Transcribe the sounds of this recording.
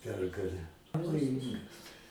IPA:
ˈpʲɛrɡɐlʲæː pɐʋoːˈjɪŋɡɐs

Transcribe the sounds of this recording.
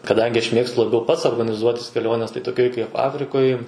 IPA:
kɐˈdɐŋʲɡʲɪ ɐʃ ˈmʲeːkstʊ lˠɐˈbʲɛʊ ˈpɐts oːrɡɐnʲɪˈzuɔtʲɪs kʲɛˈlʲoːnʲɛs tɐɪ toːˈkʲoːj kɐɪp ˈɑːfʲrʲɪkoːj

